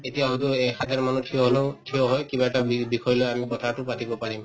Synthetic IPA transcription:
etijaɦotʊɛxʰat̪ɛɹmanutʰioɦoleʊtʰioɦɔjkibaɛtaibikɔjɔlojamikɔtʰatʊpatibɔpaɹim

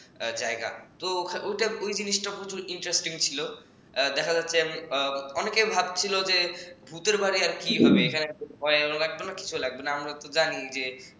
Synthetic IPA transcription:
d͡ʑaeɡa̰t̪okʰaʔojʈaojd͡ʑiniʃʈakɾot͡ɕuɾiɳʈɾesʈiŋt͡ɕʰilo | d̪ɛkʰad͡ʑatːɕʰe | ɔnekebʱab̚t͡ɕʰilod͡ʑebʱut̪eɾbaɾiaɾkiɦɔbeekʰaneupɔɾealoɡɛk̚banaki̥t͡ɕʰulaɡ̚benaamɾat̪od͡ʑanid͡ʑe

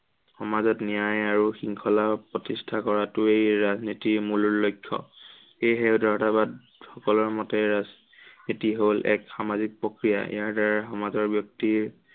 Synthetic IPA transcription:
xɔmazɔtnijajaɹuxiŋkʰɔlapɹɔtistʰakɔɹatʊejɹaznitiɹmuluɹːojkʰːɔ̰ | xejɦeʊdʱɔɹtabad | xɔkɔlɔɹmɔtɛɹaz | nitiɦolʔɛ̰kxamazik̚pɹokɹija̰ʔḭjaɹdaɹaxɔmazɔɹbjɔk̚tiɹ

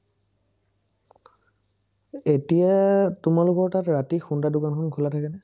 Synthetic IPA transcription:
etijatʊmalʊkɔɹtatɹatixundadʊkankʰɔnkʰʊlatʰakɛnɛ

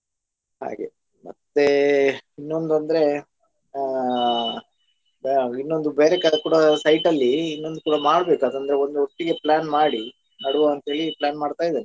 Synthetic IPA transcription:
ɦa̰ːɡe̞ | mɐ̰t̪ːe̞inːo̞nd̪uɐnd̪ɐɾe̞ | inːo̞nd̪ubeːɾekɐɐkuːɽɐsɐjʈɐlːiːnːo̞nd̪ukuːɽɐmaːɽbe̞ːkad̪ɐnd̪ɐɾeo̞nd̪uɦoʈːiɡe̞plaːnmaːɽi | nɐɽuʋoɐnt̪ɦe̞ːɭiplaːnmaːɽt̪aːjid̪aːne

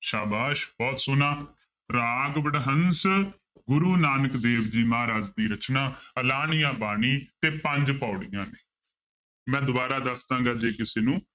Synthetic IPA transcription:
ʃaːbaːʃbɔːt̪sʊnaː | ɾaːɡbəɽɦəns | ɡʊɾuːnaːnəkd̪eːʋd͡ʒiːmaːɾaːd͡ʒd̪iːɾət͡ʃnaːəlaːɳɪjãːbaːɳ̃iːt̪eːpəɲd͡ʒpaːʊɽɪjãːneː | mɛ̃ːd̪ʊbaːɾaːd̪əsd̪ãːɡaːd͡ʒeːkɪseːnũː

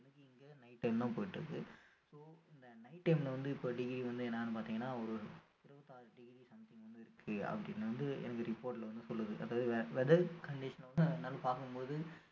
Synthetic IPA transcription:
ɛnɐkːɯɪŋɡeːnɐɪʈːɐɪmt̪ãːpoːjɪʈːɯɾɯkːɯsoːɪnd̪ɐnɐɪʈːɐɪmlɐʋɐnd̪ɯɪpːoːɖɪɡɾiʋɐnd̪ɯɛnːɐaːnːɯpaːɾt̪iːŋɡɐnːaːɔɾɯtɪɾɐʋɐt̪ːaːɖɪɡɾisɐmt̪ɪ̃ŋɡʋɐnd̪ɯɪɾɯkʰːɯɐ̰pːɐɽɪnːɐʋɐnd̪ɯɛ̰nɐkːɯɾɪpːoːɾʈlɐʋɐnd̪ɯsɔlːɐðɯʔɐðaːʋɐðɯʋʋɛðɐkɐɳɖɪʂɐnʋɐnd̪ɯnaːlːɐpaːɾkɯmpoːðɯ

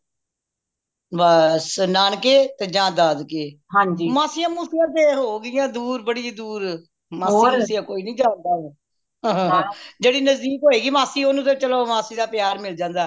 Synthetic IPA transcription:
baːsnaːnkeːt̪eːd͡ʒãːd̪aːd̪keːɦãːd͡ʒiːmaːsijãːmuːsɪjãːt̪̬eːɦoːɡɪjãːd̪uːɾbəɽiːd̪uːɾ | maːsiãmuːsɪjãːkoːiːnĩːd͡ʒãːnd̪aː | ãːd͡ʒeːɽiːnəzd̪iːkɦoːeːɡiːmaːsiːoːnũːt̪̬eːt͡ʃəloːmaːsiːd̪aːpɪjaːɾmɪld͡ʒãːnd̪aː

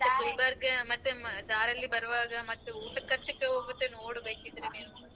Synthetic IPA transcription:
kɐjbɐɾɡɐmɐt̪ːud̪aːɾɐlːibɐɾɐʋaːɡɐmɐt̪ːuuːʈɐkːɐɾt͡ʃːikːeɦoːɡut̪ːenoːɽubeːkid̪ɾeneːnu

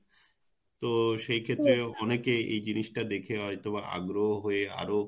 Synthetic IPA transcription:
t̪oʃejkʰet̪ːɾeɔnekeḛjd͡ʑiniʃʈad̪ekʰeɦɔjt̪oβaʔa̰ɡɾoɦoɦoea̰ɾo

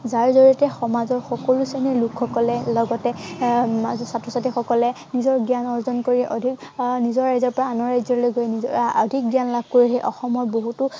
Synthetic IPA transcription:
zaɹzoɹiɔtɛxɔmazɔɹxɔkɔlusenilukʰːɔkɔlɛlɔɡɔtɛ | asatʰɹɔsatixɔkɔlɛ | nizɔɹɡijanɔɹzɔnkoɹiʔɔ̰dʱiknizɔɹːajzɔɹpɔɹaanɔɹajzɔɹlojɡojniɔdʱik̚ɡjanlab̚koɹixejʔɔxɔmɔɹboɦutʊ

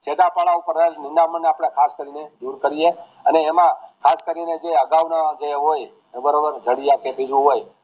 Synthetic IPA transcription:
t͡ʃed̪apaɭaupəɾanɪnd̪aməɳneapɽ̃ekʰaskəɾined̪uɾkəɾie | əneːmãkʰaskəɾined͡ʒeeəɡaʋnad͡ʒeɦoj | bəɾobəɾd͡ʒ̪ʱəɽiakebid͡ʒũɦoj

